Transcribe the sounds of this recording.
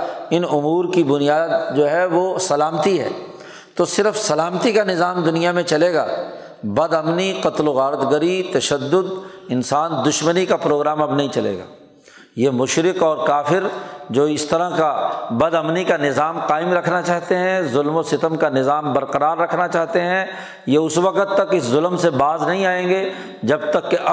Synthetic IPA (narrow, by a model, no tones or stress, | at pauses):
ɪnʊmuːɾkibʊnijaːd̪̚d͡ʒoːɦɛʋosɐlaːmət̪iɦɛ̰ː | t̪oːsɪɾəfsɐlaːmət̪ikanɪzaːmd̪ʊnijamẽt͡ʃɐleːɡa̰ː | bɐd̪ɐmniqɐt̪loɣaːɾət̪ɡəɾit̪ɐʃəd̪ːʊd̪ɪnsaːnd̪ʊʃmənikapɾoːɡɾaːmɐbnaĩt͡ʃɐlḛːɡa̰ː | jeːmʊʃɾɪqɔːɾkaːfɪɾd͡ʒoːɪst̪ɐɾakabɐd̪ɐmnikanɪzaːmqaːɪmɾɐkʰnat͡ʃaːɦt̪eɦɛ̃zʊlmosɪt̪əmkanɪzaːmbɐɾqɐɾaːɾːɐkʰnat͡ʃaːɦt̪eɦɛ̃ | jeʊswɐqət̪ːɐkɪszʊlmsebaːznɐɦĩaːẽːŋɡeː | d͡ʒɐb̚t̪ɐkːeʔɐ